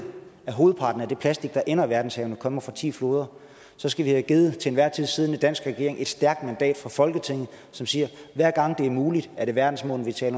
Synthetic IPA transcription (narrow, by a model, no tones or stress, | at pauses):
æɦo̝ːð̞̩ˠpʰɑ̈ːd̥n̩æɐd̥e̝pʰlæsd̥iɡ̥̚d̥ɑ̈ʔenɐʋæɐd̥n̩shɛːʊnəkʰɒ̽m̰ɐfʁɑ̈t͡sʰḭːflo̝ːð̞ˠɐ | sɒ̽sɡ̥æʋihæɡ̥iːð̩ˠt͡sʰe̝enʋæɐ̰t͡sʰið̰ˠsiðˠned̥æn̰sɡ̥ʁɛɡ̥e̝ɐeŋe̝d̥sd̥æɐɡ̥̚d̥mænd̥ɛ̰ːd̥fʁɑ̈fɒ̽lɡ̥ət͡sʰe̝ŋ̰ð̩ˠ | sɒ̽msiːɐʋæɐ̰ɡ̥ɑ̈ŋ̰d̥e̝æɐmuːlid̥æɐɾ̥e̝ʋæɐd̥n̩smɔ̰ːn̩ˠʋit͡sʰɛ̰ːl